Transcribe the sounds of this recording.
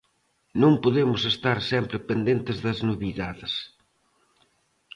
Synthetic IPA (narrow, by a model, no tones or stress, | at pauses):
nõŋpoðemʊsest̪aɾsɛmpɾɪpend̪ent̪ɪzðɐznuβiðaðɪs